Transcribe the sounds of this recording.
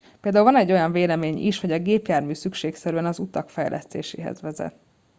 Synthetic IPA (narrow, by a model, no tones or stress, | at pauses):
peld̪aːulvɒnɛɟːo̞jɒɱveːlɛmeːɲḭʃho̞ɟɒɡeːpjaːrmyːsykʃeːksɛɾyɛnɒzut̪ɒkfɛjlʔɛ̰st̪ḛːʃḛːɦɛ̰zʋɛzɛ̰t̪